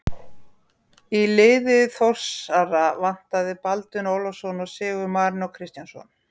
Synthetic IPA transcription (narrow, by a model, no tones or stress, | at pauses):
ilɪːðɪθɔr̥saravan̥t̪aðɪpalt̪ʏnoːwlasɔnɔsɪːɣʏmaːɾɪnɔwkʰɾɪst̪jansɔ̰n